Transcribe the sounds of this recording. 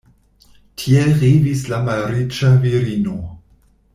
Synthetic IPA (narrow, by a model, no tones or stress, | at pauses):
tʰielʁivislamalɾit͡ʃaviɾino̞